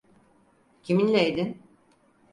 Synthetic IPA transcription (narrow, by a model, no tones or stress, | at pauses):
cʰiminlʲejd̪in